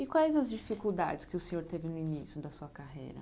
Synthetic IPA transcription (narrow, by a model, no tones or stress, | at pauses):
ɪkʷwaɛzɐzd͡ʒifikuwd̪a̰d͡ʒɪskɪʊsẽɲoɾt̪evɪnʊinisjʊd̪ɐsuɐkaɦḛjɾɐ̰